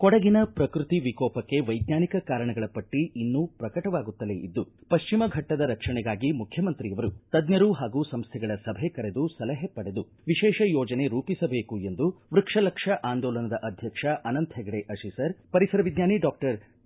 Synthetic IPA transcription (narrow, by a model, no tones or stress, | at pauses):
kɔɽɐɡinɐpɾɐkɾut̪iʋikɔːpɐkːe̞ʋɐjd̪ɲaːnikɐkaːɾɐɳɐɡɐɭɐpɐʈːiʔinːupɾɐkɐʈɐʋaːɡut̪ːɐleʔid̪ːupɐʃt͡ʃimɐɡʱɐʈːɐd̪ɐɾɐkʂɐɳɛɡaːɡimukʰjɐmɐnt̪ɾijɐʋɐɾut̪ɐd̪ɲjɐɾuɦaːɡuːsɐmst̪ʰɛɡɐɭɐsɐbʱekɐɾe̞d̪usɐlɐɦepːɐɽe̞d̪u | ʋiʃɛːʃɐjɔːd͡ʒɐne̞ɾuːpisɐbeːkue̞nd̪uʋɾukʂɐlɐkʂɐʔaːnd̪ɔːlɐnɐd̪ɐʔɐd̪ʱjɐkʂɐʔɐnɐnt̪ʰɛɡɐɽeʔɐʃisɐɾpɐɾisɐɾɐʋid̪ɲaːniɖaːk̚ʈɐɾ